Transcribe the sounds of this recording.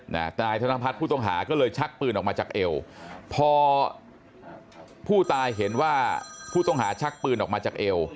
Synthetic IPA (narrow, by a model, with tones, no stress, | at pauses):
na̰˦˥naː˧jt̪ʰa˧na˧pʰa˦˥pʰuː˥˩t̪ɔ˥˩ŋɦa̰ː˩˦kɔː˥˩lɤː˧jt͡ɕʰa˦˥k̚pɯː˧nʔɔː˨˩maː˧t͡ɕaː˨˩k̚ʔe˧wpʰɔː˧ | pʰuː˥˩t̪aː˧jɦe˩˦nwaː˥˩pʰuː˥˩t̪ɔ˥˩ŋɦaː˩˦t͡ɕʰa˦˥k̚pɯː˧nʔɔː˨˩k̚maː˧t͡ɕaː˨˩k̚ʔe˧w